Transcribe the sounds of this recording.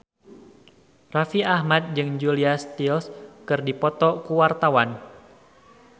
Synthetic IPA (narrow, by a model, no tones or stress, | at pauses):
rafiahmat̪̚d͡ʒɨŋd͡ʒuliast̪ilskɨrdipɔt̪ɔkuwart̪awan